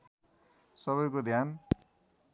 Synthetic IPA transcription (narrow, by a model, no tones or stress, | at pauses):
sʌβʌjkod̪ʱjan